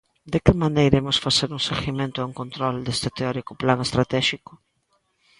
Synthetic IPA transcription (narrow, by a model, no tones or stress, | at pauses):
d̪ekɪmanejiɾemʊsfaseɾuŋseɣimẽnt̪ʊauŋkõnt̪ɾɔld̪est̪et̪eɔɾikʊplaŋest̪ɾat̪ɛʃikʊ